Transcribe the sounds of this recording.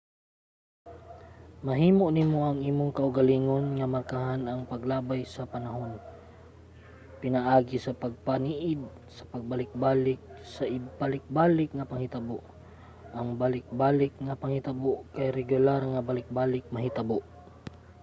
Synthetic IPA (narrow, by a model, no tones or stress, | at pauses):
mɐɦiːmoʔnɪmoʔɐŋiːmoŋkɐʔʊɡɐliːŋonŋɐmɐrkaɦanɐŋpɐɡlaːbajsɐpɐnɐɦon | pɪnɐʔaːɡɪsɐpɐɡ̚paniʔɪd̪̚ | sɐ̥pɐɡ̚bɐlɪk̚baːlɪk̚sɐʔɪpalɪk̚baːlɪk̚ŋɐpɐŋhɪt̪ɐboʔ | ʔɐŋbalɪk̚baːlɪk̚ŋɐpɐŋhɪt̪aboʔkajɾɛɡʊlaɾŋɐbalɪk̚baːlɪk̚mɐɦɪt̪aboʔ